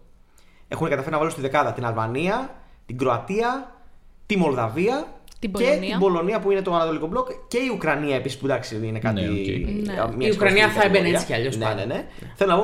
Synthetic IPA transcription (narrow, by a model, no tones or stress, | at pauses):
e̞̰xuneɡɐt̪ɐfeɾinɐvaɐlust̪iðe̞kɐðɐt̪inɐlvɐniɐ | t̪iɡɾoɐt̪iɐ | t̪imo̞lðɐviɐce̞t̪ibo̞lo̞niɐpuine̞t̪oɐnɐt̪o̞liko̞blokce̞iukɾɐniɐe̞pisispud̪ɐksiinekɐt̪ḭ | mjiukɾɐniɐθɐebenesciɐʎosnnenḛne | θelonɐpo